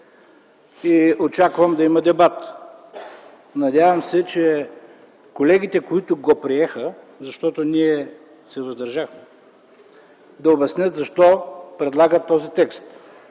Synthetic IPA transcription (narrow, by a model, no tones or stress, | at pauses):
iot͡ʃakvəmd̪ɐimɐd̪ɛbat̪ | nɐd̪ʲavəmsɛt͡ʃɛ | kolɛɡʲit̪ɛkoit̪ʊɡopɾiɛxə | zɐʃt̪ɔt̪oniɛ | sɛvɐzd̪ɐɾʒaxmɛ | d̪ɐobɐsnʲət̪zɐʃt̪ɔpɾɛd̪lˠaɡət̪ːɔzit̪ɛkst̪